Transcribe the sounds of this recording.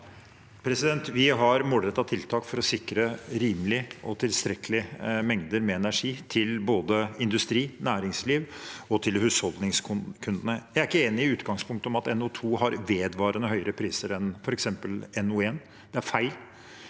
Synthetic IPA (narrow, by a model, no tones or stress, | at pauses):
pʰɾɛsɪd̪ɛnt̪ʋɪɦɑɾmɔɖ̪ɾət̪ːɑt̪ʰɪlt̪ʰɑːkfɔɾɔsɪkɾəɾiːmlɪʔɔt̪ʰɪlst̪ɾɛkəlɪmɛŋd̪əɾmɛɛnæʂiːt̪ʰɪlboːd̪əɪnd̪ʉst̪ɾiːnæːɾɪŋsliːʋɔt̪ʰɪlhʉːshɔld̪nɪŋskkʰʉnd̪ənəjæɪæɾɪkːəeːnɪɪʉːt̪ɡɑŋspʰʊŋk̚t̪əɔmɑt̪ɛnʊt̪ʰuːɦɑɾʋeːd̪ʋɑːɾənəɦhœʏəɾəpʰɾiːsəɾɛnfɔɾɛksɛmpəlɛnueːn | d̪̥ɛæɾfæɪl